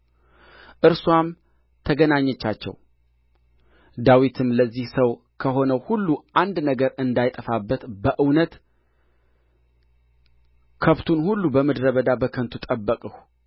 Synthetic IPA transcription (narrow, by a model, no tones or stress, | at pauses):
ʔɨɾswam | t̪ʰəɡənaɲːɛt͡ʃːa̰t͡ʃːɛ̰w | d̪awit̪ʰɨmləzːihsəw | kʰəɦo̞nəwhulːuʔand̪nəɡəɾɨnd̪ajt̪ʼəfabːət̪bəʔɨwnət̪ | kʰəβt̪ʰunhulːubəməd̪ɾəβəd̪abəkʰənt̪ʰut̪ʼəbːəkʼəh